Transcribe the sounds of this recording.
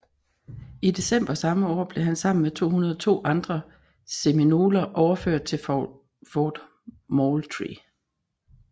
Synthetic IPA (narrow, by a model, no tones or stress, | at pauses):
id̥e̝sem̰b̥ɐsɑ̈məɒ̰ːb̥le̝ɦænsɑ̈m̰n̩met͡sʰo̝̰ːhunɐðˠɒt͡sʰo̝̰ːʔɑ̈nd̥ʁɐ | se̝mino̝ːlɐʔɒʊɐføɐ̰d̥̚t͡sʰe̝ | fɒːd̥ | molt͡sʰʁḭ